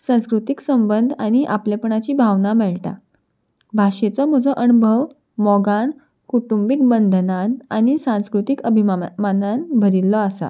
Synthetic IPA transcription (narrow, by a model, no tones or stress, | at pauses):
sãskɾut̪iksəmbənd̪ʱaɽ̃iʔa̰plepɳat͡ɕiːbʱaʋnamɛɭʈa̰ | bʱaɕet͡sɔm̤əd͡zɔʔənubʱəʋ | mɔɡan | kuʈumbik̚bənd̪ʱnanañisãskɾut̪ikəbʱimananbʱəɾilːɔasa̰